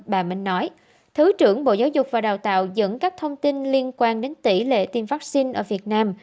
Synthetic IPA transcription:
ɓaː˨˩mï˨˧ŋ̟nɔ˨˦j | t̪ʰɨ˨˦t͡ɕɨ˧˩əŋɓo̰˧˨zaː˨˦wzʊ˨˩k͡p̚vaː˨˩ɗaː˨˩wt̪a̰ː˧˨wzə̰˧˥nkaː˦˥k̚t̪ʰə˧wŋ͡mt̪i˧nli˧ənkwaː˧nɗe˨˦nt̪i˧˩lḛ˧˨t̪i˧mvaː˦˥k̚si˧nʔəː˧˩vi˨˩ət̚naː˧m

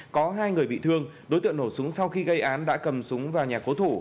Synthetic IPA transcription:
kɔ˨˦ɦaː˧jŋɨ˨˩əjɓḭ˧˨t̪ʰɨ˧əŋɗo˨˦jt̪ɨ̰˧˨əŋno˧˩sʊ˨˦ŋ͡msa˧wxi˧ɣə˧jʔaː˨˦nɗa̰ː˧˥kə˨˩msʊ˨˦ŋ͡mvaː˨˩wɲaː˨˩ko˨˦t̪ʰo˧˩

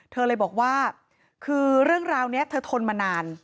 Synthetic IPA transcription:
t̪ʰɤː˧lɤː˧jbɔː˨˩k̚waː˥˩ | kʰɯː˧ɾɯ˥˩əŋɾaː˧wni˦˥ɐt̪ʰɤː˧t̪ʰo˧nmaː˧naː˧n

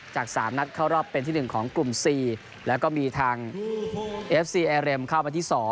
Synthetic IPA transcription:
t͡ɕaː˨˩k̚sa̰ː˩˦mna˦˥t̪̚kʰa˥˩wɾɔː˥˩pːe˧nt̪ʰiː˥˩nɯ˨˩ŋkʰɔː˩˦ŋklu˨˩msiː˨˩ | lɛː˦˥wkɔː˥˩miː˧t̪ʰaː˧ŋ | ʔe˦˥p̚siː˧ʔɛː˧ɾe˧mkʰa˥˩wma˧t̪ʰiː˥˩sɔː˩˦ŋ

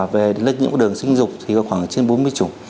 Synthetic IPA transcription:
ve˨˩ɗe˨˦nlə˨˩k̚ɲɨ̰˧˥kːɗɨ˨˩əŋsï˧ŋ̟zʊ˨˩k͡p̚t̪ʰi˨˩kɔ˨˦˥xwaː˧˩ŋt͡ɕe˧nɓo˨˦nmɨ˧əjt͡ɕu˧˩˦

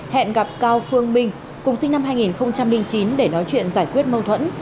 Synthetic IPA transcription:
hɛ̰˧˨nɣa˨˩p̚kaː˧wfɨ˧əŋmï˧ŋ̟ | kʊ˨˩ŋ͡msï˧ŋ̟na˧mɦaː˧jŋi˨˩nxə˧wŋ͡mt͡ɕa˧mlï˧ŋt͡ɕi˨˦nɗe˧˩nɔ˨˦jt͡ɕwḭ˧˨ənzaː˧˩jkwi˦˥ət̚mə˧wt̪ʰwə̰˧˥n

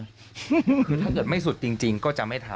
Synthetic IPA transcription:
kʰɯ˧t̪ʰa˥˩kɤː˨˩t̪̚ma˥˩js̬u˨˩t̪̚t͡ɕi˧ŋt͡ɕi˧ŋkɔː˥˩t͡ɕa˨˩ma˥˩jt̪ʰaː˨˧˦

